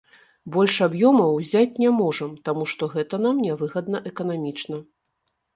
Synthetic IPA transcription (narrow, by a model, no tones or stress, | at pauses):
bɔlʲʂabjɔmɐwzʲat͡sʲnʲɛmɔʐɐmt̪amuʂt̪ɔɣɛt̪ɐn̪amnʲɛvɨɣɐd̪nɐʔɛkɐnamʲit͡ʂnɐ